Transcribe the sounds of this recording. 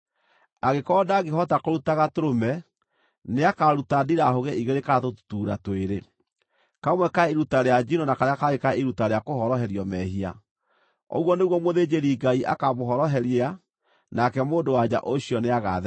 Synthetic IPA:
aɣekɔdaɣeɦɔtakoɾutaɣatoɾomɛ | neakaɾutadiɾaɦoɣɛʔiɣeɾekaatottuːɾa̰toeɾe | kamwɛkaeɾutaɾead͡ʒinoɔnakaɾeakaɣekaiɾutaɾeakoɦɔɾɔɦɛɾiɔmɛɦia̰ | ɔ̰ɣwɔneɣwɔmoðed͡ʒeɾiɡaiʔa̰kamoɦɔɾɔɦɛɾia | nakɛmoːndowad͡ʑa̰ʔoɕiɔneaɣa̰ð

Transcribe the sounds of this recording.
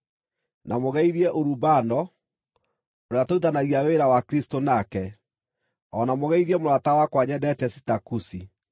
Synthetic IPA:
namoɣɛiðiɛʔoɾubanɔ | oɾeatoutanaɣiaweɾawakɾistonakɛ | ɔnamoɣɛiðɛmoɾatawakwaɲɛdɛtɛsitakusi

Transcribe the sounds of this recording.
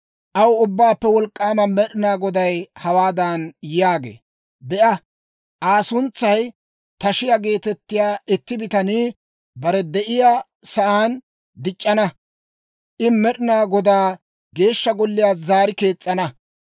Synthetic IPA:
ʔɐwʊbːaːpːɛwɔlkʼːaːmɐmɛɗɪnaːɡɔd̪ɐjhɐwaːd̪ɐnjjaːɡḛː | bɛʔɐ | ʔaːsʊnt͡sːɐj | t̪ɐʃɪjaɡe̞ːt̪ɛt̪ːɪjaːɪt̪ːɪbɪt̪ɐniː | bɐɾɛd̪ɛʔɪjaː | sɐʔaːn | d̪ɪt͡ʃʼːɐnɐ | ʔɪmɛɗɪnaːɡɔd̪aː | ɡe̞ːʃːɐɡɔlːɪjaːzaːɾɪke̞ːt͡sʼːɐnɐ

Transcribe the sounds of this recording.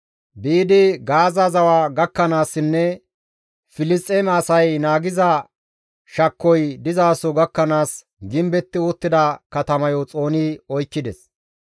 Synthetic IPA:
biːd̪ɪɡaːzɐzɐwaːɡɐkːɐnaːsːɪnːɛ | fɪlɪst̪ʼːeːmɛɐsɐjnaːɡɪzɐ | ʃɐkːɔjd̪ɪzaːsɔɡɐkːɐnaːs | ɡɪmbɛt̪ːɪʊt̪ːɪd̪ɐkɐt̪ɐmɐjɔt͡sʼo̞ːnɪɔjkːɪd̪ɛs

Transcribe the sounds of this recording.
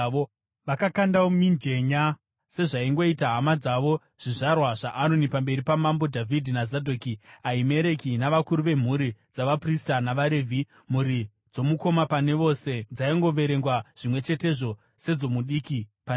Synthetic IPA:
o | ʋakakandaomind͡ʒe̞ɲa | se̞ʐaiŋɡo̞itaɦamad͡zaʋo̞ | ʐ̥iʐarwaʐ̥aʔanonipambe̞ɾipamambo̞dʱavʱidʱinazadʱoːkiaime̞ɾe̞kinaʋakuɾuʋe̞m̤uɾid͡zaʋapristanaʋaɾevʱi | m̤uɾi | d͡zo̞muko̞mapane̞ʋo̞se̞d͡zaiŋɡo̞ʋe̞ɾe̞ŋɡwaʐ̥imwe̞t͡ʃe̞te̞ʐo̞ | se̞d͡zo̞muɗiːkipan

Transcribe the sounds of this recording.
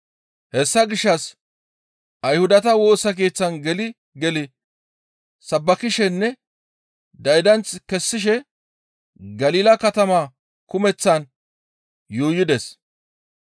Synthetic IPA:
hɛsːɐɡɪʃːɐs | ʔɐjhʊd̪ɐt̪ɐwo̞ːsɐk̬e̞ːt͡sːɐnɡɛlɪ | ɡɛlɪ | sɐbːɐkɪʃɛnːɛ | d̪ɐjd̪ɐnt͡skɛsːɪʃ̬ɛ | ɡɐliːlɐkɐt̪ɐmaː | kʊmɛt͡sːɐn | juːjɪd̪ɛs

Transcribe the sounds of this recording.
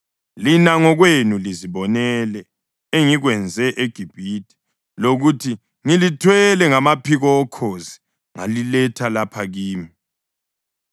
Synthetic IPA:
linaŋɔɣwenuliziβɔnɛlɛ | eŋiɣwɛnd͡zʱɛʔeɡ̥ʱib̥ʱitʰʼi̥ | loɣutʰi | ŋilitʰwɛlɛŋamapʰiɣɔːkʰozi̥ | ŋa̰lilɛtʰalapʰaɣiːmi

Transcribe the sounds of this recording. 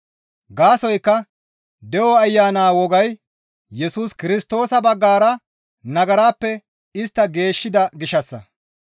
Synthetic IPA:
ɡaːsɔjkːɐ | d̪ɛwɔɐjːaːnaːwɔɡɐj | jɛsuːskɪɾɪst̪o̞ːsɐbɐɡːaːɾɐ | nɐɡɐɾaːpːɛ | ɪst̪ːɐɡe̞ːʃːɪd̪ɐɡɪʃɐsːɐ̰

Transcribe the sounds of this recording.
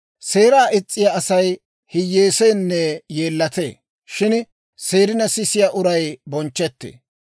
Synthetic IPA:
se̞ːɾaːʔɪt͡sʼːɪjaɐsɐj | hɪjːeːseːnːɛje̞ːlːɐt̪ḛː | ʃɪn | seːɾɪnɐsɪsɪjaːʔʊɾɐjbɔnt͡ʃːɛt̪ːḛː

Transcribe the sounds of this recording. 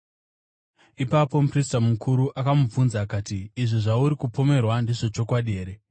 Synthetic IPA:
ipapo̞pristamukʰuɾuʔakamufunzaːkaːtiːʐiʐauɾikupo̞me̞rwandiʐo̞t͡ʃo̞kwaɗieːɾe

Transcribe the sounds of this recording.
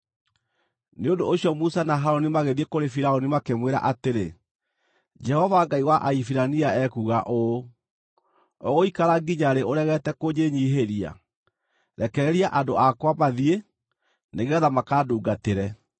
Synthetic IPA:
neondoːɕiɔmusanaɦaɾɔnimaɣeðiekoɾefiɾaonimakemweɾa̰ʔateɾe | d͡ʒɛhɔvaɡaiɣwaʔaifiɾaniaɛkuːɣaʔo | ɔɣoikaɾaɡiɲaɾeoɾɛɣɛtɛkoɲeɲiɦeɾia̰ | ɾɛkɛɾɛɾiaʔandoakwamaðie | neɣɛðamakaːduːɡateɾɛ

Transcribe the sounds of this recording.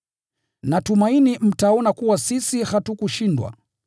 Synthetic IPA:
natumainim̩taɔnakuwasisihatukuʃindwa̰

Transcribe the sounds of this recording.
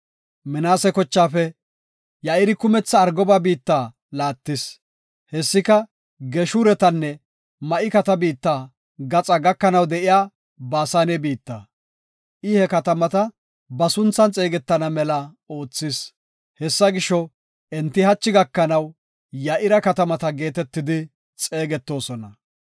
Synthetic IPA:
mɪnaːsɛkɔt͡ʃːaːfɛ | jaʔɪɾɪkʊmɛt͡sːɐːɾɡɔbaːbiːt̪ːaː | laːt̪ːɪs | hɛsːɪkɐ | ɡɛʃuːɾɛt̪ɐnːɛ | mɐʔɪkɐt̪ɐbiːt̪ːaː | ɡɐt͡sʼɐɡɐkːɐnɐwd̪ɛʔɪjaː | baːsaːnɛbiːt̪ːɐ | ʔɪhɛkɐt̪ɐmɐt̪ɐ | bɐsʊnt͡sːɐnt͡sʼe̞ːɡɛt̪ːɐnɐmɛlɐ | o̞ːt͡sːɪs | hɛsːɐɡɪʃɔ | ʔɛnt̪ːɪhɐt͡ʃːɪɡɐkːɐnɐw | jɐʔɪɾɐkɐt̪ɐmɐt̪ɐɡe̞ːt̪ɛt̪ːɪd̪ɪ | t͡sʼe̞ːɡɛt̪ːo̞ːsɔnɐ

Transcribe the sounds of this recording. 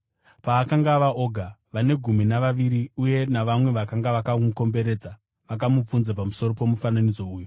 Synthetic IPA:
paːkaŋɡaʋao̞ɡʱaʋane̞ɡʱuminaʋaʋiɾiuje̞naʋamwe̞ʋakaŋɡaʋakamuko̞mbe̞ɾe̞d͡za | ʋak̬amup͡funzapamuso̞ɾo̞po̞mufananid͡zo̞uːju

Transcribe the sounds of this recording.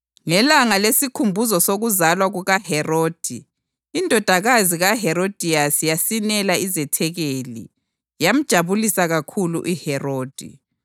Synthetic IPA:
ŋɛlaŋalesikʰumbʱuzɔsoɣuzalwaɣuɣahɛroːd̥ʱiː | ndʱɔd̥ʱaɣaziɣaɦɛɾod̥ʱiasijasinɛlaizɛtʰɛɣelḭ | jam̩d̥ʒ̥ʱaβulisaɣakʰulṵʔihɛroːd̥ʱḭ

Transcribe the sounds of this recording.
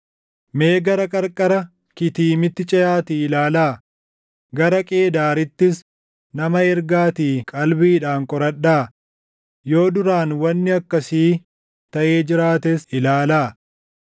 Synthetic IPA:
me̞ːɡɐɾɐkʼɐɾkʼɐɾɐ | kɪt̪iːmɪt̪ːɪt͡ʃʼɐjaːt̪iɪlaːlaː | ɡɐɾɐkʼe̞ːd̪aːɾɪt̪ːɪs | nɐmɐɛɾɡaːt̪iːkʼɐlbiːᶑaːŋkʼɔɾɐɗːaː | jo̞ːd̪ʊɾaːnwɐnːɪɐkːɐsiː | t̪ɐʔe̞ːd͡ʒɪɾaːt̪ɛsɪlaːlaː

